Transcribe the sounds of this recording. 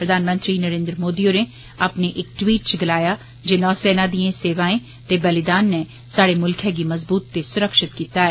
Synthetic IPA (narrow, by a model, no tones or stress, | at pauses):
pɾəd̪aːnmə̃nt̪ɾiːnəɾẽːnd̪ɾəmoːd̪ioːneː | aːpneʔɪk̚ʈwiːʈ̚t͡ʃɡɪlaːjaː | d͡ʒeːnɔːsɛːnãːd̪iãseːʋaːẽː | t̪eːbəlɪd̪aːnːe | saːɽeːmʊlkʰɛːɡiməzbuːt̪ːesʊɾəkʃɪt̪kiːt̪aːɛː